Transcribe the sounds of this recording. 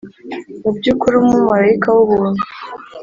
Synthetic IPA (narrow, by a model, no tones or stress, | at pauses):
mubɟuːkuɾumumaɾaikawuβunu̥